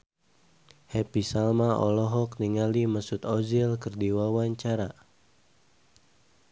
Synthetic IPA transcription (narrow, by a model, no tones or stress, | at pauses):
hɛpisalmaʔɔ̰lɔɦɔkniŋaliməsut̪ɔzilkɨrdiwawaɲt͡ʃaɾa̰